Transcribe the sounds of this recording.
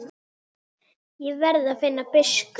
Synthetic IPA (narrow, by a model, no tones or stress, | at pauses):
ivɛɾðafɪnːapɪsk